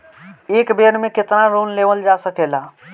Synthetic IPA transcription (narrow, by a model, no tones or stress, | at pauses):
eːkbenmẽkɪt̪naɾonleʋəld͡ʒasəkela